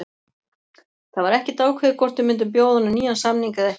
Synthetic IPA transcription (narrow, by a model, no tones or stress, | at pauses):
θaðvaɾɛhcɪt̪aːwkʰvɛðɪkʰɔr̥t̪ʏmːɪnt̪ʏmp̬joːwðanʏniːðansamniŋkaðɛ